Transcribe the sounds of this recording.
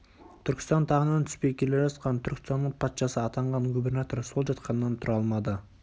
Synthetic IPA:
t̪ʰʏɾkʲɪ̥st̪ɑnt̪ʰɑʁənɑnt̪ʰʏ̥spe̞jkʲʰe̞le̞ʒɑsqɑnt̪ʰʏɾkʲɪ̥sɑnːəɴpʰɑt̪ʃɑsəɑt̪ɑɴʁɑnɡubʲe̞rnat̪o̞rso̞lˠʒɑt̪qɑnːɑnt̪ʰʊɾɑlˠmɑd̪ə

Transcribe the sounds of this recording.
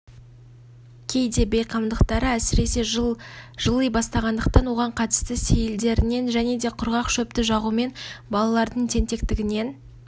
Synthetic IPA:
kʲʰe̞jd̪e̞bejqʰɑmd̪əqt̪ɑɾəæsɪɾe̞se̞ | ʒəlˠəjbɑst̪ɑʁɑnd̪əq̚t̪ɑnwo̞ʁɑɴqʰɑt̪ə̥st̪ɪse̞jɪld̪e̞ɾɪne̞nʒæne̞d̪e̞qʰʊɾʁɑqʃɵp̚t̪ɪʒɑʁume̞nbɑlˠɑlˠɑɾd̪əɴt̪ʰe̞nt̪e̞kt̪ɪɡʲɪne̞n

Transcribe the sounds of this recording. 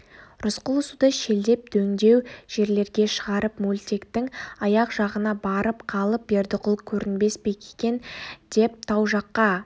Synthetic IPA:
ɾʊsqʊlˠʊsud̪əʃe̞ld̪e̞p̚d̪̥ɵŋd̪e̞wʒ̥e̞ɾle̞ɾɡʲe̞ʃəʁɑɾəpmulʲt̪ʲe̞kt̪ɪŋɑjɑqʒ̥ɑʁənɑbɑɾəpqʰɑlˠəp̚be̞ɾd̪ɪqʰʊlˠkʲʰɵɾɪnbe̞spe̞kʲʰekʲe̞nd̪̥e̞p̚t̪ʰɑwʒɑqːɑ

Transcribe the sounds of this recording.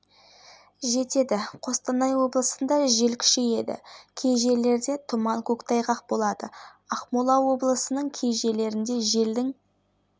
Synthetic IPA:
ʒe̞t̪e̞d̪ɪqʰo̞st̪ɑnɑjwo̞blˠəsənd̪ɑʒe̞lkʲʰʏ̥ʃeje̞d̪ɪ̰kʲʰe̞jʒe̞le̞ɾd̪e̞t̪ʰʊmɑŋkʲʰɵkt̪ʰɑjʁɑq̚bo̞lˠɑd̪ə | ɑχmolˠɑwo̞blˠəsənəɴkʲʰe̞jʒe̞le̞ɾɪnd̪e̞ʒe̞ld̪ɪŋ

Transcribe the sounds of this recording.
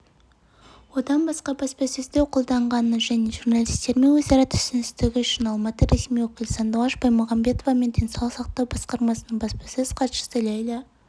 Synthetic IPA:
wo̞d̪ɑnbɑsqɑbɑspɑsezd̪ewqʰolˠd̪ɑɴʁɑnəʒæne̞ʒurnɑlˠijst̪e̞ɾme̞nwɵzɑɾɑt̪ʰʏ̥sɪnɪst̪ɪɡʲɪʏʃɪnɑlˠmɑt̪əɾe̞smijwokʲɪlʲsɑnd̪oɑʃbɑjmʊʁɑmbe̞t̪o̞vɑme̞nd̪ʰensolˠəsɑqt̪ɑwbɑsqɑɾmɑsənəɴbɑspɑ̥sezqʰɑt̪ʃə̥səlʲɑjlɑ

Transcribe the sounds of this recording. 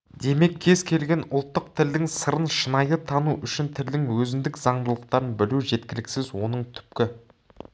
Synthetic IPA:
d̪̥e̞me̞kʲʰːe̞zkʲʰe̞lɡʲe̞nʊlˠt̪ːəq̚t̪ʰɪld̪ɪŋsəɾənʃənɑjət̪ʰɑnuʔʏʃɪnt̪ʰɪld̪ɪŋwɵzɪnd̪ɪkzɑɴd̪əlˠəq̚t̪ɑɾənbɪluʒe̞t̪kʲɪlɪkʲsɪzwo̞nəɴt̪ʰʏ̥pkʲɪ

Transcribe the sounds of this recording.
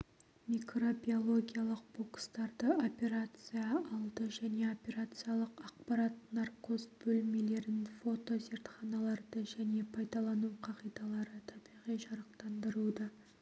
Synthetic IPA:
mijkro̞bʲio̞lˠo̞ɡʲijalˠəq̚bo̞kst̪ɑɾd̪əo̞pe̞ɾat̪sɨjɑɑlˠd̪əʒæne̞o̞pʲe̞ɾat̪sɨjalˠəqɑq̚pɑɾat̪nɑrqko̞sbɵlme̞le̞ɾɪnfo̞t̪o̞ze̞ɾt̪χɑnɑlˠɑɾd̪əʒæne̞pʰɑjd̪ɑlˠɑnuqʰɑʁijd̪ɑlˠɑɾət̪ʰɑbijʁijʒɑɾəq̚t̪ɑnd̪əɾud̪ɑ

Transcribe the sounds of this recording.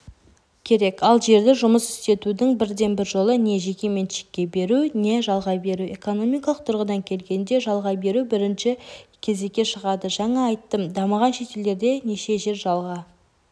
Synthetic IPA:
kʲʰe̞ɾe̞kɑlˠʒe̞ɾd̪ɪʒʊməsʏ̥st̪e̞t̪ud̪ɪŋbɪɾd̪e̞nbɪɾʒo̞lˠəne̞ʒe̞kʲe̞me̞nʃe̥kʲːe̞be̞ɾune̞ʒɑlˠʁɑbe̞ɾue̞ko̞no̞mijkɑlˠəq̚t̪ʰʊɾʁəd̪ɑŋkʲʰe̞lɡʲe̞nd̪e̞ʒɑlˠʁɑbe̞ɾubɪɾɪnʃɪkʲʰe̞ze̞kʲːe̞ʃəʁɑd̪əʒɑɴɑːjt̪ːəmd̪ɑməʁɑnʃe̞t̪e̞ld̪e̞ɾd̪e̞ne̞ʃe̞ʒe̞ɾʒɑlˠʁɑ

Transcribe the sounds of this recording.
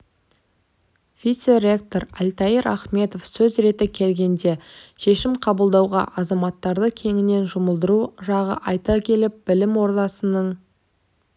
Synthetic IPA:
vijt̪seɾʲe̞k̚t̪o̞ɾælʲt̪ɑjəɾʔɑχme̞t̪o̞fsɵzɾe̞t̪ɪkʲʰe̞lɡʲe̞nd̪e̞ʃe̞ʃɪmqʰɑbəlˠd̪ɑwʁɑ̰ʔɑzɑmɑt̪ːɑɾd̪əkʲʰe̞ŋɪne̞nʒʊməlˠd̪əɾuʒɑʁə̰ʔɑjt̪ɑkʲʰe̞lɪp̚b̥ɪlɪmwo̞ɾt̪ɑsənəɴ

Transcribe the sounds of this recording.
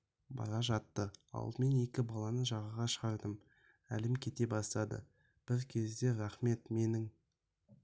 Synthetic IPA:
bɑ̰ɾɑʒɑt̪ːəɑ̰lˠəme̞ne̞kʲɪbɑlˠɑnəʒɑʁəʁɑʃəʁɑɾd̪əm | æ̰lɪmkʲʰe̞t̪e̞bɑst̪ɑd̪ə̰ | b̥ɪɾkʲʰe̞zd̪e̞ɾæχme̞t̪me̞nɪŋ

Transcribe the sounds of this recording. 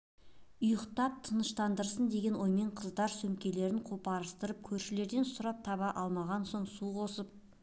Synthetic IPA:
ʊjəqt̪ɑp̚t̪ʰənəʃt̪ɑnd̪əɾsənd̪e̞ɡʲe̞nwo̞jme̞ɴqʰəzd̪ɑɾsɵmkʲe̞le̞ɾɪɴqʰopɑɾəst̪əɾəp̚kʲʰɵɾʃɪle̞ɾd̪e̞nsʊɾɑp̚t̪ʰɑβɑʔɑlˠmɑʁɑnso̞ɴsuqʰo̞səp̚

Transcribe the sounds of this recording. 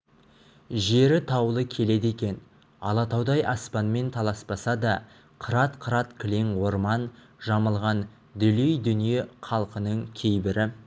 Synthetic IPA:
ʒe̞ɾɪt̪ʰɑwlˠəkʲʰe̞le̞d̪e̞kʲe̞n | ɑ̰lˠɑt̪ɑwd̪ɑjʔɑspɑnme̞nt̪ʰɑlˠɑsbɑsɑd̪ɑ | qʰəɾɑt̪qʰəɾɑt̪kʲʰliŋwo̞ɾmɑn | ʒɑməlˠʁɑn | d̪ʏlejd̪ʏnije̞qʰɑlˠqənəɴkʲʰejbɪɾɪ

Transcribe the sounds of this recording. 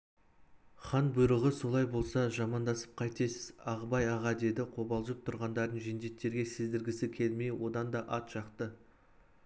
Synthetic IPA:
χɑnbʊjɾəʁəso̞lˠɑjbo̞lˠsɑʒɑmɑnd̪ɑsə̥p̚qʰɑjt̪esɪzɑʁəbɑjɑʁɑd̪e̞d̪ɪqʰo̞bɑlˠʒəp̚t̪ʰʊɾʁɑnd̪ɑɾd̪ənʒend̪e̞t̪ːe̞ɾɡʲe̞sɪzd̪ɪɾɡʲɪsɪkʲʰe̞lme̞jwo̞d̪ɑnd̪ɑʔɑt̪ʒɑqt̪ə

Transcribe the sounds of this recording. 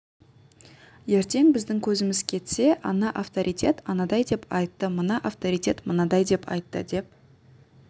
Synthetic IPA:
je̞ɾt̪e̞ŋbɪzd̪ɪŋkʲʰɵzɪmɪzkʲʰe̞t̪se̞ʔɑnɑʔaft̪oɾʔijt̪ʲʰe̞t̪ɑnɑd̪ɑjd̪e̞pɑjt̪ːəmənɑʔaft̪oɾijt̪ʲe̞t̪mənɑd̪ɑjd̪e̞pʰɑ̰jt̪ːə̰d̪e̞p̚

